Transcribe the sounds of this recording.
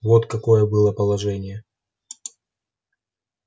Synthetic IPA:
vot̪kɐkojəbɨlˠəpəlˠɐʐɛnʲɪjə

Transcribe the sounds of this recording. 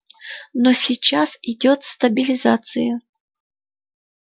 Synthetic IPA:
nosʲit͡ɕːasɪdʲot̪st̪ɐbʲɪlʲɪzat̪sɨjə

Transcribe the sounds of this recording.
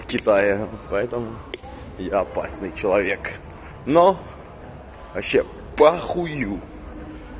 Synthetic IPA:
fkʲɪt̪ajɪpɐɛt̪əmʊ | jaɐpa̰snɨjt͡ɕɪlˠɐvʲek | no | vɐɕːe | pɐxʊju

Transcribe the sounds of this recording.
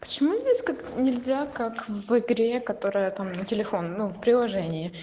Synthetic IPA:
pə̥t͡ɕɪmuzʲdʲesʲkaknʲɪlʲzʲakakvɨɡɾʲekɐt̪o̞ɾɨjət̪amnətʲɪlʲɪfo̞nːufpɾʲɪlˠɐʐɛnʲɪjɪ

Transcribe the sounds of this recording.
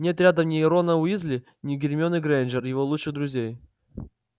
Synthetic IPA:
nʲet̪ɾʲad̪əmnʲɪːɾo̞nəʊizlʲɪ | nʲɪɡʲɪɾʲmʲonɨɡɾend͡ʒərjɪvolˠuʂɨɣd̪ɾʊzʲej

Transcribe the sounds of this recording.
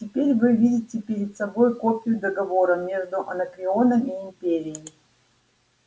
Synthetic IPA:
tʲɪpʲeɾʲvɨvʲidʲɪtʲɪpʲɪɾʲɪt̪sɐbo̞jkopʲɪjʊd̪əɡɐvo̞ɾəmʲe̞ʐd̪ʊʔɐ̰nəkɾʲɪo̞nəmiɪmpʲeɾʲɪjɪmʲɪ

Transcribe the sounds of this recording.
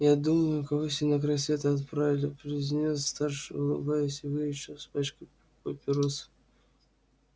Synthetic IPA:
jad̪uməjʊkɐvosʲɪnakɾɐsʲet̪əɐt̪pɾavʲɪlʲɪpɾʲɪzʲnʲesst̪arʂɨʊlˠɨbajʊsʲɪvɨjɪɕospat͡ɕkʊ | pəpʲɪɾos

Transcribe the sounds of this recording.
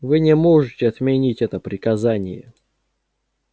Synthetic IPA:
vɨnʲɪmoʐɨtʲɪɐt̪mʲenʲitʲɛt̪əpɾʲɪkɐzanʲɪ̰jə̰

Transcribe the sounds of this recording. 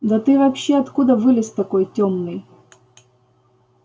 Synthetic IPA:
d̪ɐt̪ɨvɐpɕːeɐt̪kud̪əvɨlʲɪst̪ɐkojtʲomnɨj

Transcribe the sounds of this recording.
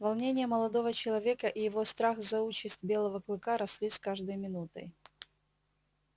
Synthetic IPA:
vɐlˠnʲenʲɪjəməlˠɐd̪o̞vət͡ɕɪlˠɐvʲekəʔɪjɪvo̞st̪ɾaxzɐut͡ɕɪsʲtʲbʲe̞lˠəvəklˠɨkaɾɐsʲlʲiskaʐd̪əjmʲɪnut̪ə̰j

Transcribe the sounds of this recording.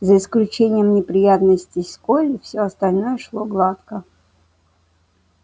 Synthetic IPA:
zəɪsklʲʉt͡ɕenʲɪjəmnʲɪpɾʲɪjat̪nəsʲtʲɪskolʲɪfsʲɵɐst̪ɐlʲno̞jəʂlˠoɡlˠat̪kə

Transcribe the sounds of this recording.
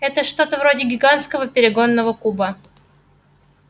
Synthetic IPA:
ɛt̪əʂt̪o̞t̪əvɾo̞dʲɪɡʲɪɡanskəvəpʲɪɾʲɪɡo̞nːəvəkubə

